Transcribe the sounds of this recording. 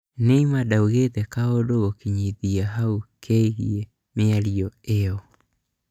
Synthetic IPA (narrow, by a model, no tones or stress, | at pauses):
neimadauɣetɛkaodoɣokiɲiðiaɦaukʰɛiɣie | meaɾiɔeɔ